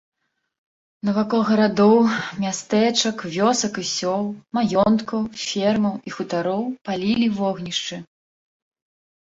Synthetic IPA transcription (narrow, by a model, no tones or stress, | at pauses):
nɐvakɔɣɐɾad̪ɔwmʲast̪ɛt͡ʂɐkvʲɔsɐkisʲɔlˠmajɔnt̪kɐwfʲɛrmɐwixut̪aɾɔwpalʲilʲivɔɣnʲiʂt͡ʂɨ